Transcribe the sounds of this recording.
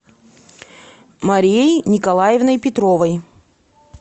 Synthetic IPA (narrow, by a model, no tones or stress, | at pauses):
mɐɾʲejnʲɪkɐlˠajɪvnəjpʲɪt̪ɾovəj